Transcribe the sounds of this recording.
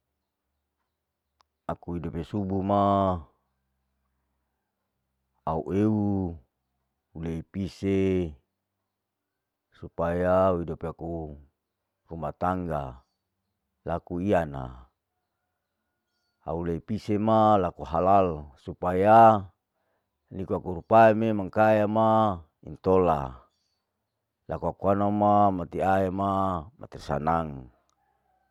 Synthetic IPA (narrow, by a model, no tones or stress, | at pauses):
akuidopesubuma | auʔeu | uleipise | supajauidopeaku | rumat̪aŋɡa | lakuiana̰ | a̰ulepisemalakuɦalalsupaja | nikuakuɾupaememaŋkajama | ḭnt̪ola̰ | lakuakuanamamat̪iaamama̰t̪irsa̰naŋ